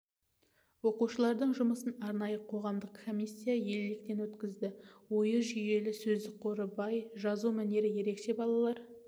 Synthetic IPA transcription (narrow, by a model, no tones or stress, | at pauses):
wo̞quʃəlˠɑɾd̪əɴʒʊməsənɑɾnɑjəqʰo̞ʁɑmd̪əqkʰomʲijsʲːijaje̞lːɪk̚t̪e̞nwɵt̪kʲɪzd̪ɪwo̞jəʒʏje̞lɪsɵzd̪ɪqʰo̞ɾəbɑjʒɑzumæne̞ɾɪje̞ɾe̞kʃe̞bɑlˠɑlˠɑɾ